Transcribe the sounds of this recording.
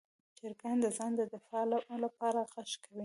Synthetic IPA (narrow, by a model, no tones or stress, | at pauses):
t͡ʃɪɾɡand̪əzɑnd̪əd̪ɪfɑlalapɑɾaɣaʃkawi